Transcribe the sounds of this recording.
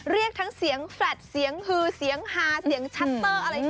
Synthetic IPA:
ɾi˥˩ək̚t̪ʰa˦˥ŋsi˨˩˦əŋflɛː˨˩t̪̚si˩˦əŋhɯː˧˩si˩˦əŋhaː˨˩si˩˦əŋt͡ɕʰa˦˥t̪̚ːɤː˧˩ʔa˧ɾa˧j

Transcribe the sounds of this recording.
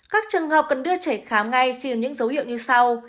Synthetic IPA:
kaː˦˥k̚t͡ɕɨ˨˩əŋhəː˨˩p̚kə˨˩nɗɨ˧ət͡ɕe˧˩xaː˨˦mŋa˧jxi˧˩ə˨˩mɲɨ̰˧˥ŋzə˨˦whḭ˧˨əwɲɨ˧sa˧w

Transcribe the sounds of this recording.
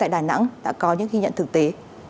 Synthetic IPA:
a̰ː˧˨jɗaː˨˩jna̰˧˥ŋɗa̰ː˧˥kɔ˨˦ɲɨ̰˧˥ŋxi˧ɲə̰˧˨nt̪ɨ˨˩k̚t̪e˨˦

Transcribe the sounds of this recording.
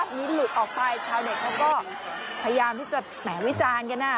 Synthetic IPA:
t̚niː˦˥lu˨˩t̪̚ʔɔː˨˩k̚pa˧jt͡ɕʰaː˧wde˨˩k̚lɛː˦˥wkɔː˥˩ | pʰa˧ja˧jaː˧mt̪ʰiː˥˩t͡ɕa˨˩ | mɛː˩˦wi˦˥t͡ɕaː˧nka˧nːaː˦˥˩

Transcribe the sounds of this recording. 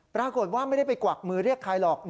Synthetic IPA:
pɾaː˧ko˨˩t̪̚waː˥˩ma˥˩jda˥˩jpa˧jkwa˨˩k̚mɯː˧ɾi˥˩əkʰːaː˧jlɔː˨˩k̚n

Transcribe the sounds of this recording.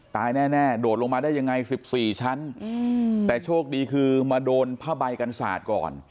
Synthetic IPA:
t̪aː˧jnɛː˥˩nɛː˥˩doː˨˩t̪̚lo˧ŋmaː˧daː˥˩jːa˧ŋa˧jsi˨˩p̚siː˨˩t͡ɕʰa˦˥n | t̪ɛː˨˩t͡ɕʰoː˥˩k̚diː˧kʰɯː˧maː˧doː˧npʰaː˥˩ba˧jka˧nsa̰ː˨˩t̪̚kɔ̰ː˨˩n

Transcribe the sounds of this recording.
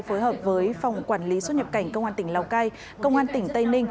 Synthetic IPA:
jfoː˨˦jɦəː˨˩p̚vəː˨˦jfa˨˩wŋ͡mkwaː˧˩nli˨˦sw̚ɲə˨˩p̚ka˧˩jŋ̟kə˧wŋ͡mʔaː˧nt̪ï˧˩ŋ̟laː˧˩wkaː˧j | kə˧wŋ͡mʔaː˧nt̪ï˧˩ŋ̟t̪ə˧jnï˧ŋ̟

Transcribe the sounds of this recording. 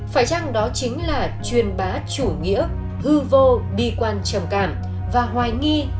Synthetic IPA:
faː˧˩jt͡ɕa˧ŋɗɔ˨˦t͡ɕï˨˦ŋ̟laː˨˩t͡ɕwi˨˩ənɓaː˨˦t͡ɕu˧˩ŋḭ˧˥ə | hɨ˧vo˧ɓi˧kwaː˧˩nt͡ɕə˧˩mka̰ː˧˩m | vaː˨˩ɦwaː˨˩jŋi˧

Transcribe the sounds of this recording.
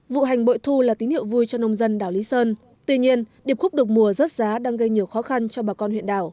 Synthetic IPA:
vṵ˧˨ɦa˨˩jŋ̟ɓo̰˧˨jt̪ʰu˧laː˨˩t̪i˨˦nhḭ˧˨əwvu˧jt͡ɕɔ˧nə˧wŋ͡mzə˧nɗaː˨˩wli˨˦səː˧n | t̪wi˧ɲi˧ənɗi˨˩əp̚xʊ˦˥k͡p̚ɗɨ˨˩ək̚mu˨˩əzə˦˥t̚zaː˨˦ɗaː˧ŋɣə˧jɲi˨˩əwxɔ˨˦xa˧nt͡ɕɔ˧ɓaː˨˩kɔ˧nhwḭ˧˨ənɗaː˧˩w

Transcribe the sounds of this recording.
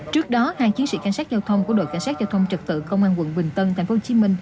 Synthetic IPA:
t͡ɕɨ˦˥ək̚ɗɔ˨˦haː˧˨ŋt͡ɕi˨˦ənsḭ˧˥ka˧˩jŋsaː˦˥t̚zaː˧wt̪ʰə˧wŋ͡mku˧˩əɗo̰˧˨jka˧˩ŋsaː˦˥t̚zaː˧wt̪ʰə˧wŋ͡mt͡ɕə˨˩t̚t̪ɨ̰˧˨kə˧wŋ͡mʔaː˧nwə̰˧˨nɓï˨˩ŋ̟t̪ə˧nt̪ʰa˨˩ŋ̟fo˨˦˧t͡ɕi˨˦mï˧ŋ̟

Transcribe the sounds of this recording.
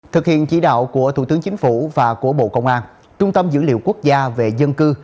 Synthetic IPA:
t̪ʰɨ˨˩k̚hḭ˧˨ənt͡ɕḭ˧˩˥ɗa̰ː˧˨wku˧˩ət̪ʰu˨˧˩t̪ɨ˨˦ŋt͡ɕï˨˦ŋ̟fu˧˩vaː˨˩ku˧˩əɓo̰˧˨kə˧wŋ͡mʔaː˧n | t͡ɕʊ˧ŋ͡mt̪ə˧mzɨ̰˧˥lḭ˧˨əwku˦˥ək̚zaː˧ve˨˩zə˧nkɨ˧

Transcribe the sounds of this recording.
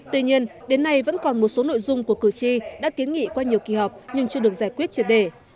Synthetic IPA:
t̪wi˧ɲi˧ənɗe˨˦nːa˧jvə̰˧˥nkɔ˨˩nmo˨˩t̚so˨˦no̰˧˨jzʊ˧ŋ͡mku˧˩əkɨ˧˩t͡ɕi˧ɗa̰ː˧˥ki˨˦nŋḭ˧˨kwaː˧ɲi˨˩əwkḭ˨˧˩ɦɔ˨˩wk͡p̚ɲɨ˧ŋt͡ɕɨ˧əɗək̚zaː˧˩jkwi˦˥ət̚t͡ɕi˨˩t̚ɗe˧˩

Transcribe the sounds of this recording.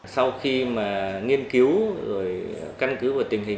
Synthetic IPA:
sa˧wxi˧maː˨˩ŋi˧ənki˨˦wzo˨˩jka˧ŋkɨ˨˦vaː˨˩t̪i˨˩əŋ̟ɦï˨˩

